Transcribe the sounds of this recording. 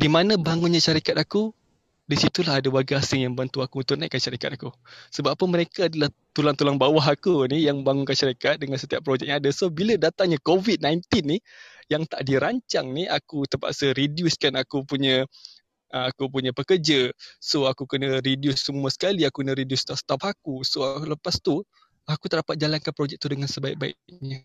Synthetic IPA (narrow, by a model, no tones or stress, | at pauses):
dimanãbaŋunɲãʃaɾikat̪̚aku | disit̪ulaɦadawarɡaasɪŋjaŋbant̪uakut̪unaʔkːanʃaɾikat̪akusəbapəməɾekaːdəlah | t̪ulaŋt̪ulaŋbawaɦakunijaŋəbaŋunkanʃaɾikat̪̚dəŋansət̪iapːɾod͡ʒɛk̚jaŋadasobilədat̪aŋɲãkovid̪̚najnt̪inːijaŋt̪aʔdiɾaɲt͡ʃaŋniakut̪əpa̰ʔsəɾidjuskanakupuɲã | ʔəakupuɲãpəkərd͡ʒasoakukənəɾidjusːəmuəsə̥kaliakukənəɾidjʊst̪ɔst̪apakusoləpast̪u | akut̪ədapat̪̚d͡ʒalankanpɾod͡ʒɛk̚t̪udəŋansəbaik̚baḭʔɲə